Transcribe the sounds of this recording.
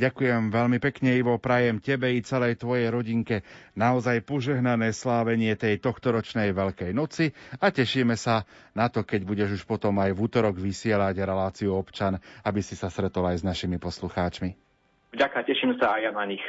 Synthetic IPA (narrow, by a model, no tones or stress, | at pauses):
ɟakujɛmʋɛlmipɛkɲɛiʋɔpɾajɛmcɛbɛit͡sɛlɛjt̪ʋɔjɛjɾɔɟiŋkɛnaɔzajpɔʒɛɦnanɛːslaːʋɛɲɪɛt̪ɛjt̪ɔxt̪ɔɾɔt͡ʃnɛjʋɛʎkɛjnɔt͡siacɛʃiːmɛsanat̪ɔkɛɟbuɟɛʒuʃpɔt̪ɔmajvuːt̪ɔɾɔɡʋisɪɛlaɟɾɛlaːt͡siuɔpt͡ʃanabisisast̪ɾɛt̪ɔlajznaʃimipɔsluxaːt͡ʃmi | vɟakacɛʃimsaːjanaɲix